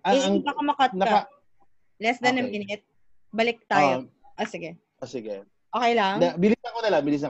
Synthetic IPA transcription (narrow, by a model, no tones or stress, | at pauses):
ɐɪɐɐkɐmɐkɐt̪̚nkɐ | lɛsd̪ɐnɐmiːnɪt̪̚ | bɐlɪk̚t̪aːjo | ʔosɪɡɛ | ʔosɪɡɛ | ʔoːkɛjlaŋd̪ɐbɪlɪsnɐkonɐlabɪlɪs̬nɐk